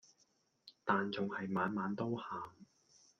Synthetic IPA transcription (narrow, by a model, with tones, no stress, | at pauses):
t̪aː˨nt͡sʊ˨ŋhɐ˨jmaː˨˧nmaː˨˧˥nt̪o˥whaː˨m